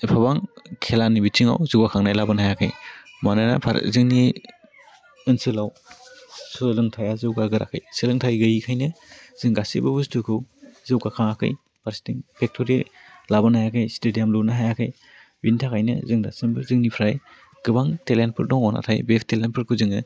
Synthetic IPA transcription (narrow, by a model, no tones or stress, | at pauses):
pʰaβaŋkʰelanibitʰiŋa̰wzɯwɡakʰaŋnajlabɯnhajakʰɯjmanɯna̰pʰa̰ɾ̰zɯŋni | ɯnsɯlaw | sɯlɯŋtʰajazɯwɡaɡɯɾʔa̰kʰɯ̰jsɯlɯŋtʰajɡɯjikʰajnɯz̥ɯŋɡasḭbɯbustukʰɯwzɯwkakʰaŋakʰɯ̰j | b̥aɾsi̥tiŋpʰek̚tʰɔɾi | labɯnajakʰɯjstedijamlunaɦajakʰɯj | bintʰakʰajnɯ̰zɯŋda̰sɯnbɯzɯŋnipʰɾaj | ɡ̥ɯbaŋtelenpʰɯɾdɔŋɔna̰tʰajbepʰtelenpʰɯɾkʰɯzɯŋɯ